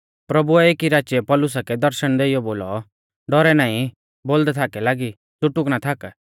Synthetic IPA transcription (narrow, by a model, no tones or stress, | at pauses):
pɾɐbuɛeːkiɾaːt͡ʃjɛpɔlʊs̬akɛd̪ɐɾʃəɽ̃d̪eijɔboːlɔ | ɖɔɾɛnaːĩ | boːld̪ɛt̪ʰakɛlaːɡi | t̪ʊʈʊknat̪ʰak